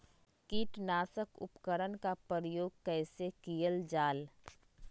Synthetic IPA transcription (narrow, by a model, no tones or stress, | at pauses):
kiːʈnaːsəkʊ̰pkəɾənkapɾəɾəjoːɡ̚kɛːsekijəld͡ʒaːl